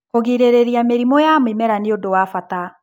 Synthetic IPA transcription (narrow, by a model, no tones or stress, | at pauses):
koɣiɾeɾeɾiameɾimɔjamimɛɾaniodowafata